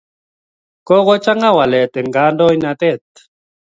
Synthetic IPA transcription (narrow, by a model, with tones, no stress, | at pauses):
ko˦ɣo˦t͡ʃa˦ŋa˦wa˨le˨t̪e˨ŋɡa˦ndo˦i˦na˧t̪e˦˨t̪̚